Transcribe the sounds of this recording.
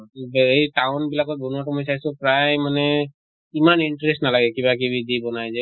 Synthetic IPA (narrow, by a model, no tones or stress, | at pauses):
bejʈaʊnbilakɔt̪̚bunuwaʈɔmojs̬ajsʊ̃pɹajmanɛ | imaniɳʈɹestnalaɡɛkibak̬ibʱid̪ibɔnajzɛ